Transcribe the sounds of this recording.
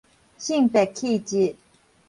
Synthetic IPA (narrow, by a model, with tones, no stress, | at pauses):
ɕi˥˨ŋpɛ˨kʰːi˥˨t͡ɕi˥˩˨